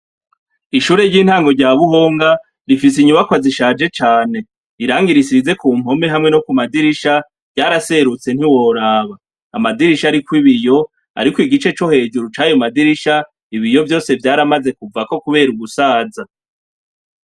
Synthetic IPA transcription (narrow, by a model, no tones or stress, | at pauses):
iʃuːɾe̞ɾɟiːn̥haːŋɡo̞ɾɟaːβuɦo̞ːŋɡa | ɾifis̬iɲuβakwaziʃaːd͡ʒe̞t͡ʃaːne̞ | iɾaːŋɡiɾisize̞kuːm̥ho̞me̞ɦamŋe̞no̞kumadiɾiʃa | vɟaːɾase̞ɾut͡se̞n̥hiwo̞ɾaːβaː | madiɾiʃaɾikwiβijo̞ | a̰ɾikwiɡit͡ʃe̞t͡ʃo̞he̞ːd͡ʒuɾut͡ʃaːjomadiɾiʃa | iβijo̞vjo̞ːse̞vjaːɾamaze̞kuvako̞kuβe̞ːɾuɡusaːza